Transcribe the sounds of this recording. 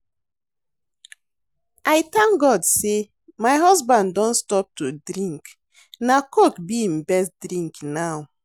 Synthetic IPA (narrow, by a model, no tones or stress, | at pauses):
ajtãŋɡɔdse | majɦɔzbãnddɔ̃nstɔp̚tudɾĩŋk | nakokbiĩm̩bɛstdɾĩŋknaw